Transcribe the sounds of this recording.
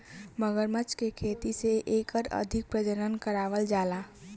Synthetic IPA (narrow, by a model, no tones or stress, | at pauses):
məɡəɾmət͡ʃkekʰeːt̪iseʔeːkəɾə̰d̪ʱɪk̚pɾəd͡ʒəɾənkəɾaːʋəld͡ʒaːlaː